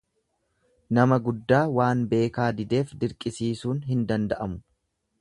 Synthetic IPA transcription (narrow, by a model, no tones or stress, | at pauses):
nɐmɐɡʊd̪ːaːwaːnbe̞ːkaːd̪ɪd̪e̞ːfd̪ɪɾkʼɪsiːsuːnɦɪnd̪ɐnd̪ɐʔɐmʊ̥